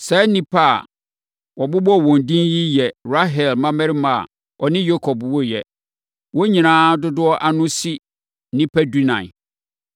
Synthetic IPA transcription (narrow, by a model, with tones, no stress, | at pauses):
sɛ˦nĩ˦pʰa̰˦˨ | wɔ˨bʊ˦bɔ˦˨wɔ̃˨n˨dĩ˦nji˦jɛ˨ɾa˦ɦɛ˨lmã˦mɛ̃˦ɾɪ˦mã˨a̰˨ | ɔ˨nɪ̃˦jo˦kʰɔ˨bwɔ˦jɛ˨ | wɔ˦ɲĩ˨nãː˦dʊ˦dʊ˦ɔ˦ʔa˦nʊ̃˦si˦ | nĩ˦pʰæ˦du˦nã̰˨